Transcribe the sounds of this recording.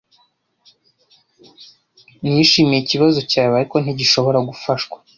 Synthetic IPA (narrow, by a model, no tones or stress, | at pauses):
nijiʃiːmijiciβazo̞caːjoaɾiko̞n̥iɟiʃo̞βo̞ɾaɡufaʃkwḁ